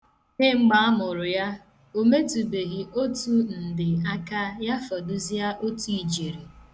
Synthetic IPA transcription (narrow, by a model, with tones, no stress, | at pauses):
ne˦ŋ͡m̩˦ɡ͡ba˨˦a˦mʊ˨ɾʊ˨ja˦ | o˦me˦tu˨be˨ɣi˨ʔo˦tu˦n̩˨dɪ˨a˦ka˦ja˦fɔ˨dʊ˦zi˦a˦ʔo˦tu˦i˨d͡ʒe˨ɾi˨